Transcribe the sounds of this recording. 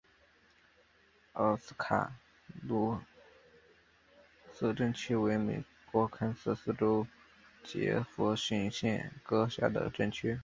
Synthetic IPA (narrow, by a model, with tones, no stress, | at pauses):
ə˥˩ʊsɹ̩˥kʰa̰˨˩ | lu˥˩ | sɤ˥˧ʈ͡ʂə˥˩ŋt͡ɕʰy˥we˧˥ɪme˨˩ɪ | kwɔ˧˥kʰa˥nsɤ˥˧sɹ̩˥˧ʈ͡ʂo˥ʊ | t͡ɕjɛ̰˧˥fɔ˧˥ɕy˥nɕjɛ˥˩nkɤ˥ɕja̰˥d̪ə̰˩ʈ͡ʂə˥˩ŋt͡ɕʰy˥